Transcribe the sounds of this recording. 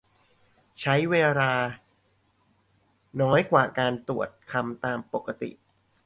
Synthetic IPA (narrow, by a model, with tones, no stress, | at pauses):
t͡ɕʰa˦˥jweː˧laː˧ | nɔː˦˥jkwaː˨˩kaː˧nt̪u˨˩ət̪̚kʰa˧mt̪aː˧mpo˨˩kːa˧t̪ḭ˨˩ʔ